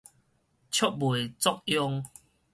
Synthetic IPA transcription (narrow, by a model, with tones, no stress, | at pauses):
t͡ɕʰjɔ˦k̚bwe˨t͡sɔ˦k̚jɔ˦˧ŋ